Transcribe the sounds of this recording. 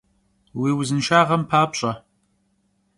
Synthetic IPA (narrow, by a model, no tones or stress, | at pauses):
wiːwzɨnʃaːʁɐmpʰaːpɕʼɐ